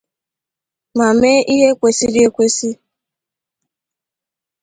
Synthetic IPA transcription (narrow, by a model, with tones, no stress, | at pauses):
ma˨me˦ʔi˦ɦe˦kʷe˨si˦de˦kʷe˦si˦